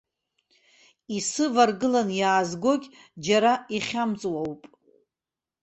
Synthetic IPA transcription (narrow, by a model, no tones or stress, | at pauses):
isɨvarɡɨlanjaːzɡʷo̞ɡʲʼ | d͡ʒaɾaiχʲamt͡sʼwawpʼ